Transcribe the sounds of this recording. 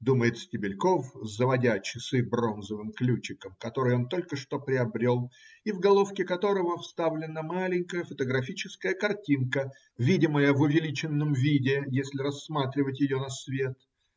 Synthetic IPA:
d̪uməjɪt̪sʲtʲɪbʲɪlʲko̞fzəvɐdʲat͡ɕɪsɨbro̞nzəvɨmklʲut͡ɕɪkəmkɐt̪o̞ɾɨjo̞nt̪o̞lʲkəʂt̪o̞pɾʲɪɐbɾʲo̞lˠivɡɐlˠo̞fkʲɪkɐt̪o̞ɾəvəfst̪avlʲɪnəmalʲɪŋʲkəjəfət̪əɡɾɐfʲit͡ɕɪskəjəkɐrtʲinkə | vʲidʲɪməjəvʊvʲɪlʲit͡ɕɪnːəmvʲidʲɪjesʲlʲɪɾɐsːmat̪ɾʲɪvətʲjɪjonɐsvʲe̞t̪

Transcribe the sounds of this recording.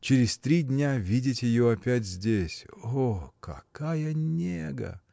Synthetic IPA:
t͡ɕɪɾʲɪsʲt̪ɾʲidʲnʲavʲidʲɪtʲjɪjoɐpʲætʲzʲdʲesʲokɐ̰kajənʲeɡə̰

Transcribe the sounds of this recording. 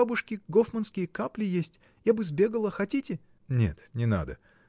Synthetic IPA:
abʊʂkʲɪɡofmənskʲɪjəkaplʲɪjesʲtʲ | jabɨzbʲe̞ɡəlˠəxɐtʲitʲɪ | nʲḛt̪nʲɪna̰d̪ə̰

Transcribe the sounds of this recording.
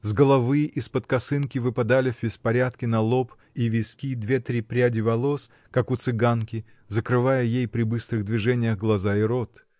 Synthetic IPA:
zɡəlˠɐvɨʔispət̪kɐsɨnkʲɪvɨpɐd̪alʲɪvʲbʲɪspɐɾʲat̪kʲɪnɐlˠop | ivʲɪskʲid̪vʲet̪ɾʲipɾʲadʲɪvɐlˠo̞s | kakʊt̪sɨɡankʲɪ | zəkɾɨvajəjejpɾʲɪbɨst̪ɾɨɣd̪vʲɪʐɛnʲɪjəɣɡlˠɐzaɪɾot̪

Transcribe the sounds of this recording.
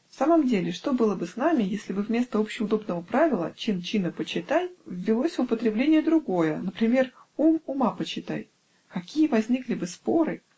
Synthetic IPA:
fsaməmdʲelʲɪʂt̪o̞bɨlˠəbɨsnamʲɪjesʲlʲɪbɨvmʲe̞st̪əo̞pɕɪʊd̪o̞bnəvəpɾavʲɪlˠə̰t͡ɕint͡ɕinəpət͡ɕɪt̪ajvːʲɪlˠo̞sʲʊpət̪ɾʲɪblʲenʲɪjəd̪ɾʊɡo̞jənəpɾʲɪmʲe̞r | umʊmapət͡ɕɪt̪a̰j | kɐkʲijəvɐzʲnʲiklʲɪbɨspo̞ɾɨ

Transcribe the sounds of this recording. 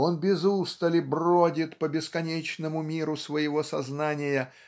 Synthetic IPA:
o̞nbʲɪzust̪əlʲɪbrodʲɪt̪pəbʲɪskɐnʲet͡ɕnəmʊmʲiɾʊsvəjɪvo̞sɐznanʲɪjə

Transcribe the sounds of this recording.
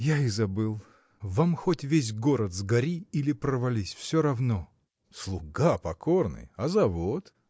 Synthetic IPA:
jaɪzɐbɨlˠ | vamxotʲvʲes̬ʲɡo̞ɾət̪zɡɐɾʲiilʲɪpɾəvɐlʲisʲfsʲoɾɐvno | slˠʊɡapɐkʰornɨ̰jɐzɐvot̪

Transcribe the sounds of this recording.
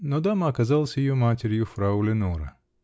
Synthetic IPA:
nɔd̪amɐɐkɐzalˠsʲɐjjɔmatʲeɾʲjʊfɾaʊlʲɪnɔɾɐ̰

